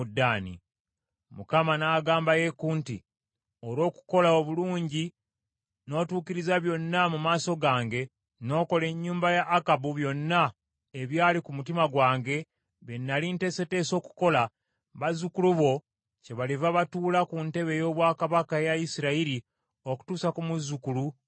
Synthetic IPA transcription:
udːaːnḭ | mṵkamanaːɡaːmbaje̞kuntḭ | oɾo̞ːku̥ko̞laoβuluːɲɟi | no̞ːtuːkiɾizaβjo̞nːamumaːso̞ɡaːŋɡe̞ | no̞ːko̞le̞ɲːuːmbajaʔːkabuβjo̞nːa | eβjaːlikumutimaɡwaːŋɡe̞ | βenːalinte̞se̞te̞ːso̞ːku̥ko̞la | βazukuluβo̞ | ce̞βalivaβatuːlakunte̞βe̞jo̞ːβwaːkaβakajaisiɾaiɾi | o̞ku̥tuːsakumuzːukulu

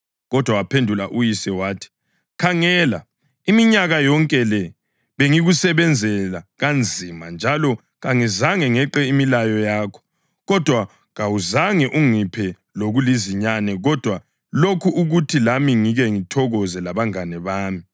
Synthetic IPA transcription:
ɣɔd̥ʱwawapʰendʱulaʔujisɛwaːtʰi̥ | kʰaŋɛːla | imiɲaɣajɔŋkʼɛlɛ | βeŋiɣusɛβɛnd͡zʱɛlaɣand͡zʱimand͡ʒʱalɔ | ɣaŋizaŋɛŋɛǃɛimilajɔjaːkʰɔ̥ | ɣɔd̥ʱwa | ɣawuzaŋɛʔuŋipʰɛ | loɣuliziɲanɛɣɔd̥ʱwa | lokʰuʔuɣutʰilamiŋiɣɛŋitʰɔɣɔzɛlaβaŋanɛβaːmi

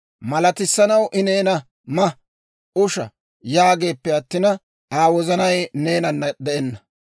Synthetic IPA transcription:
mɐlɐt̪ɪsːɐnɐwʔɪne̞ːnɐ | mɐ | ʔʊʃɐ̰ | jaːɡe̞ːpːɛɐt̪ːɪnɐ | aːwɔzɐnɐjne̞ːnɐnːɐd̪ɛʔɛnːɐ

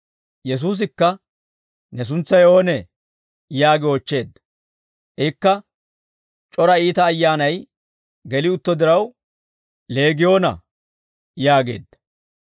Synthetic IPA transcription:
jɛs̬uːs̬ɪkːɐ | nɛs̬ʊnt͡sːɐjo̞ːnɛ | jaːɡɪoːt͡ʃːe̞ːd̪ːɐ̥ | ʔɛkːɐ | t͡ʃʼɔɾɐiːt̪ɐːjːaːnɐj | ɡɛlɪʊt̪ːɔd̪ɪɾɐw | le̞ːɡɪjo̞ːnɐ̰ | jaːɡe̞̰ːd̪ːɐ̥

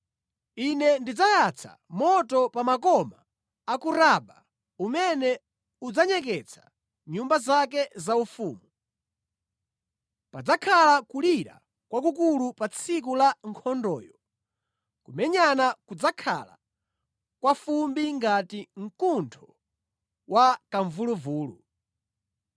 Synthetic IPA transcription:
inɛndid͡zajat͡sʰa̰mɔtɔpamakɔmaː | kuɾaɓa | umɛnɛ | ud͡zaɲɛk̬ɛt͡sʰḁ | ɲumbazakɛzaufuːmu | pad͡zakʰalakuliɾa̰ | kwak̬ukulupat͡sʰik̬ulaŋkʰɔndɔ̰ːjɔ | kumɛɲanakud͡zakʰa̰la̰ | kwafumbiŋɡatiŋ̩kuntʰɔ | wakaɱvuluvuːlṵ

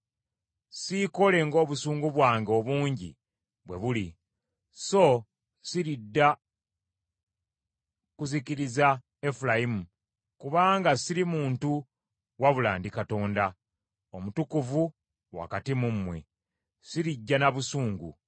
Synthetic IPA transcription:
siko̞le̞ŋɡo̞ːβusuːŋɡuβwaːŋɡeo̞βuːɲɟḭ | βwe̞βuli | so̞ | siɾidːa | kuziciɾiza | e̞fulajimu | kuβaːŋɡasiɾimuːntu | waβula̰ːndikato̞ːnda | omutukuvu | wa̰katimumːwe̞̰ | siɾiɟːanaβusuːŋɡṵ

